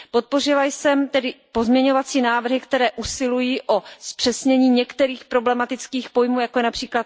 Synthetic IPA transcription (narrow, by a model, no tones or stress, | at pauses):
po̞t̪̚po̞rɪlajsɛmt̪ɛdɪpo̞zmɲɛɲovat͡siːnaːvr̩ɦɪkt̪ɛɾɛːʔusɪlujiːʔo̞spr̥ɛsɲɛɲiːɲɛkt̪ɛɾiːxpɾo̞blɛmat̪ɪt͡skiːxpo̞jmuːjakojɛnapr̥iːklat̪